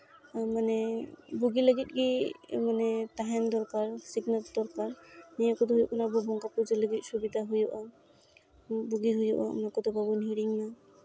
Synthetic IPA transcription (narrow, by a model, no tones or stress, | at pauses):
manɛbuɡiləɡit̪̚ˀɡimanɛtaɦɛnd̪ɔɾkaɾsiɡnat̚d̪ɔɾkaɾnijɔkɔd̪ɔɦujɔʔnabɔbɔŋkapuzeləɡit̚subid̪aɦujɔʔa | buɡiɦujɔʔa̰nakɔd̪ɔbabɔniɾiŋna